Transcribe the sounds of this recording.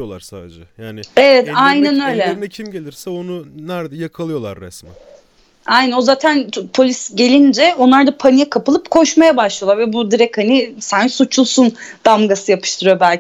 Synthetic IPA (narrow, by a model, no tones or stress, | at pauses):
olˠa̰ɾsaːd̪ed͡ʒɛjaːnɪevɛt̪ajnænø̞jlʲɛɛcʰimɟelʲiɾsɛonunæɾd̪ɛjakʰalˠɯjo̞lˠa̰ɾːɛ̰smɛ | ajnæno̞zaːt̪ʰænpʰo̞lʲisɟe̞lʲind͡ʒɛo̞nlˠaɾd̪apʰanijakʰapʰɯlˠɯpkʰo̞ʃmajabaʃlˠajlˠaɾvɛbud̪iɾɛchanisænsut͡ʃʰulˠsund̪̥amɡasɯjapʰɯʃt̪ʰɯɾɯjo̞bælʲ